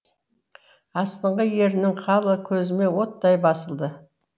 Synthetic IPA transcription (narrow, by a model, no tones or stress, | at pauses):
ɑst̪əɴʁəje̞ɾɪnɪŋqʰɑlˠəkʲʰɵzɪme̞wo̞t̪ːɑjbɑsəlˠd̪ə